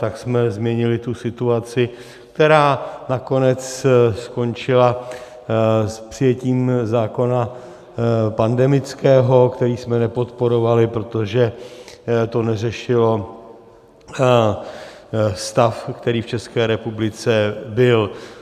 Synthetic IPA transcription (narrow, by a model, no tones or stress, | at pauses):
t̪aksmɛzmɲɛɲɪlɪt̪usɪt̪uat͡sɪ | kt̪ɛɾaːnako̞nɛt͡ssko̞nt͡ʃɪla | spr̥ɪjɛciːmzaːko̞na | pandɛmɪt͡skɛːɦo̞kt̪ɛɾiːsmɛnɛpo̞t̪po̞ɾo̞valɪpɾo̞t̪o̞ʒɛ | t̪o̞nɛrɛʃɪlo̞ | st̪afkt̪ɛɾiːft͡ʃɛskɛːɾɛpublɪt͡sɛbɪl